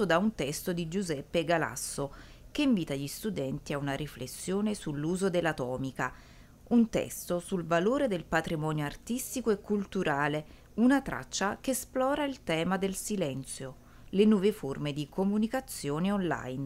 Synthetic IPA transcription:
od̪aunt̪ɛst̪od̪id͡ʒuzɛpːeɡala̰sːo | k̟eiɱviːt̪aʎist̪ud̪ɛnt̪iaunaɾiflesːjoːnesulːuːzod̪elːat̪ɔːmika | unt̪ɛ̰st̪osulvaloːɾed̪elpat̪ɾimɔːnjoart̪ist̪ikoekːult̪uɾʔaːle | unat̪ɾa̰t͡ʃːakeːsplɔːɾailt̪ɛːmad̪elsilɛnt̪sjo | lenwɔːveformed̪ikʰomunikat̪sːjoːneɔnla̰jn

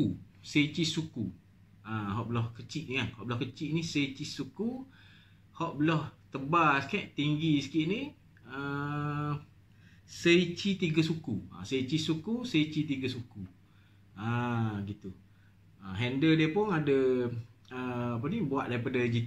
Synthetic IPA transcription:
u | sət͡ʃisuku | aɦɔʔbəlɔhkət͡ʃiʔnikanhɔʔbəlɔhkət͡ʃiʔnisəit͡ʃisuku | hɔʔbəlɔht̪əbasə̥kaʔt̪iŋɡisə̥kiʔni | ə | səit͡ʃit̪iɡəsukua̰sət͡ʃisukusəit͡ʃit̪̬iɡəsuku | aɡit̪u | əɦɛndədiəpʊnadə | əapənibuaʔdaɾipadəd͡ʒi

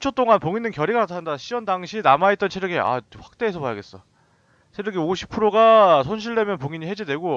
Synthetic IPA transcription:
ut͡ɕʰʌt͈oŋanpoŋinːɯnkjʌɾiɡanatʰaɯndaɕʰiwʌndaŋɕʰinamait̚t͈ʌnt͡ɕʰeɾjɯɡia̰ɸwḁk̚t͈e̞ːsʰʌpajaɡe̞s͈ʌ | t͡ɕʰeɾɯɡioɕʰi̥pʰɯɾoɡasʰonɕ̬ʰiɭde̞mjʌnpoŋiɲiɦe̞d͡ʑide̞ɡo

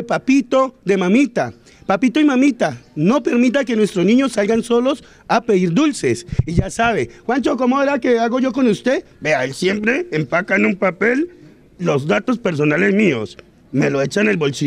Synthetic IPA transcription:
papit̪o̞d̪e̞mamit̪a | papit̪oimamit̪ano̞pe̞ɾmit̪̬ake̞nwest̪ɾoznĩɲo̞sːalɡanso̞lo̞s | apeðiɾd̪ulse̞siʝasaβexwant͡ʃoko̞moeɾakeaɣo̞ʝo̞ko̞nust̪e̞ | beaelsje̞mpɾe̞ːmpakanumpape̞lː | o̞zd̪at̪o̞spe̞ɾs̬o̞nale̞zmio̞̰s | me̞loet͡ʃanelβo̞lsi

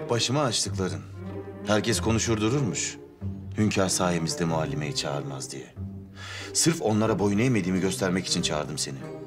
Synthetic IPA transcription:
b̥aʃɯmaːʃt̪ʰɯklˠaɾɯmhæɾcʰɛskʰo̞nuʃuɾd̪uɾuɾmuʃ | hymcʰaɾsaːɦimizd̪ɛmualʲːimejɛt͡ʃʰa̰ːɾmazd̪ijɛ̰ | sɯɾfo̞nlˠaɾabo̞junejme̞d̪iːmiɟø̞st̪ʰæɾmɛci̥t͡ʃʰint͡ʃʰaːɾd̪ɯmse̞ni

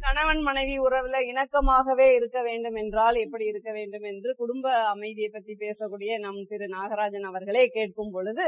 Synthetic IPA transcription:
t̪ɐnɐʋɐnmɐnɐɪʋiʊɾɐʋɪlɐɪnɐkːɐmaːɣɐʋeːɪɾɯkːɐʋeːɳɖɯmɛndraːlɛpːɐɽiɪɾɯkːɐʋeːɳɖɯmɛndrɯkʊɽʊmbɐːmɐɪðɪjɐɪpːɐt̪ːripeːsɐkːuːɽɪjɐnɐmt̪ɪɾɯnaːɣɐɾaːd͡ʒɐnɐʋɐɾɣɐɭeːkeːʈ̚kɯmpɔɻɯðɯ

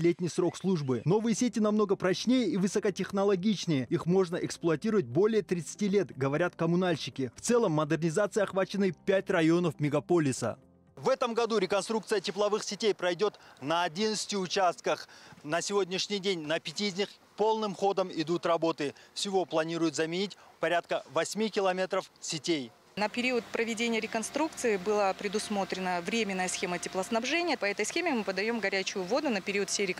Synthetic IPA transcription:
lʲetʲnʲɪjsɾo̞kslˠuʐbɨno̞vɨjəsʲetʲɪnɐmno̞ɡəpɾɐt͡ɕnʲejəivɨsəkətʲɪxnəlˠɐɡʲit͡ɕnʲɪjəixmo̞ʐnəʔɛksplˠʊɐtʲiɾʊvət̚ʲbo̞lʲɪjət̪ɾʲɪt̪sɨ̥tʲilʲe̞t̪ɡəvɐɾʲat̪kəmʊnalʲɕɪkʲɪft̪sɛlˠəmːəd̪ɨrnʲɪzat̪sɨjɐχvat͡ɕɪnːɨjpʲætʲrɐjo̞nəfmʲɪɡɐpo̞lʲɪsə̰ | vɛt̪əmɡɐd̪uɾʲɪkɐnst̪ɾuk̚t̪sɨjətʲɪplˠɐvɨxsʲɪtʲejpɾɐjdʲo̞t̪nəːdʲinət̪sɨ̥tʲɪʊt͡ɕast̪̚kəχnəsʲɪvo̞dʲnʲɪʂnʲɪjdʲenʲnɐpʲɪtʲiːzʲnʲiχ | po̞lˠnɨmχo̞d̪əmɪd̪ut̪rɐbo̞t̪ɨfsʲɪvo̞plˠɐnʲiɾʊjʊt̪zɐmʲɪnʲitʲpɐɾʲat̪̚kəvɐsʲmʲikʲɪlˠɐmʲe̞t̪ɾəfsʲɪtʲej | nəpʲɪɾʲiʊət̪pɾəvʲɪdʲenʲɪjəɾʲɪkɐnst̪ɾuk̚t̪sɨɪbɨlˠapɾʲɪd̪ʊsmo̞t̪ɾʲɪnəvɾʲemʲɪnːəjəsxʲe̞mətʲɪplˠəsnɐbʐɛnʲɪjəpɐɛt̪əjsxʲemʲɪmɨpəd̪ɐjo̞mɡɐɾʲæt͡ɕʊjʊvo̞d̪ʊnəpʲɪɾʲiət̪fsʲejɾʲɪ

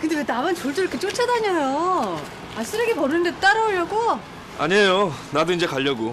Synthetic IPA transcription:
kɯndewetamant͡ɕoɭt͡ɕ͈ɾʌkʰet͡ɕ͈ot͡ɕʰadaɲʌjo | as͈ɯɾʌɡepʌɾɯnɯndet͈aɾʌoʎːʌɡo | a̰ɲiejonadoind͡ʑe̞kaʎːʌɡo

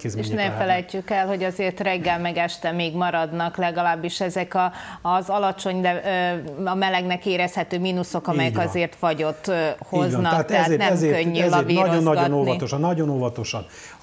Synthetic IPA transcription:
kieʃnɛfɛlɛjcːykɛlho̞ɟɒzeːrt̪rɛɡːɛlmɛɡɛʃt̪ɛmeːɡmɒɾɒd̪nɒklɛɡɒlaːbːiʃɛzɛkɒːzɒlɒt͡ʃo̞ɲd̪ɛ | ɒmɛlɛɡnɛkeːɾɛshɛt̪øːmiːnuso̞kɒmɛjɛkɒzeːrt̪ʋɒɟo̞t̪ːhoznɒkhat̪ɛɦaeːɛɛeøɲːylɒviːɾoonzːɒɟɡonovɒt̪oʃɒnnɒɟonovɒt̪o̞ʃɒn

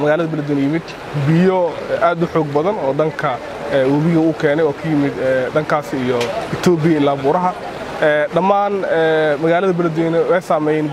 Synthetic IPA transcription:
mɐɣaːlɐðɐbɐlɐd̪wɛːnjɪmɪd̪ | bɪjɔʔaːd̪ʊħɔːɡ̚bɐðɐnɔːɖɐŋkʰɐː | wɐβɪɣɐʊːkʰɛːnɛjɔːkʰɐjɪmɪd̪ɛɖɐŋkʰaːsɪːjɔɪt̪ʰɔːbɪjɐɪlːaːbuːɾɐɦɐ | ɛːɖɐmaːnɛːmɐɣaːlɐðɐbɐlɐd̪wɛːnɛwɛjsaːmɛjɛːn

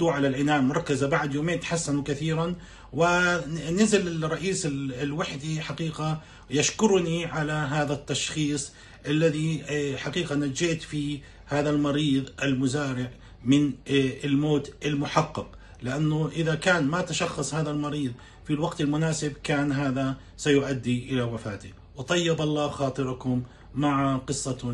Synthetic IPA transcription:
d̪uːʕalalʕɪnaːmɑɾˤkːazabaʕd̪joːmeːnt̪ħasːanukaθiːɾan | wɪnɪzɪlɪrˤːɑʔiːsɪlwaħd̪iħaqiːqa | jaʃkʊɾniʕalaɦaːðat̪ːɑʃxiːsˤ | ʔalːaðiħaqiːqanad͡ʒɪʔt̪fi | haːðalmɑɾiːðˤʔɪlmʊzaːɾɪʕ | mɪnɪlmoːt̪ʔɪlmʊħɑqːɑq | lɪʔanːʊʔɪðakaːnmat̪aʃɑxːɑsˤhaːðalmɑɾiːðˤ | filwaɡt̪ɪlmʊnaːsɪbkaːnɦaːða | sajʊʔad̪ːiʔɪlawafaːt̪i | wt̪ˤɑjːɪbɑlˤːɑːxɑːt̪ˤɨɾkʊmː | aʕaqɨsˤːɑ

